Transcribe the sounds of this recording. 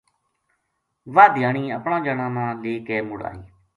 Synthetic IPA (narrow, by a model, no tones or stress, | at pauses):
ʋaːd̪ɪjaːɳ̃iːəpɳãːd͡ʒənãːnãːleːkeːmʊɽa̰ːiː